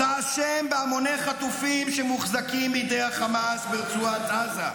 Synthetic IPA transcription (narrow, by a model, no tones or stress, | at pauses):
aʃembeamoneχat̪ufimʃɛmuχzakimbijd̪ejhaχamasbeʁt͡suat̪aza